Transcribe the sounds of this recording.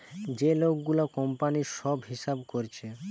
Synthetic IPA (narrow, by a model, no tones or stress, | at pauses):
d͡ʑelok̚ɡulokɔmpaniʃɔbɦiʃabkoɾt͡ɕʰe